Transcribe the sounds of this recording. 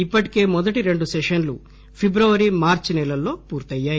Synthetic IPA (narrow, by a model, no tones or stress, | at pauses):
ipːɐʈi̥ke̞ːmɔd̪ɐʈiɾe̞ɳɖusɛʃɐnlu | pʰibɾɐʋɐɾimaːɾt͡ʃnɛlɐlːo̞ːpuːɾt̪ɐjːaːji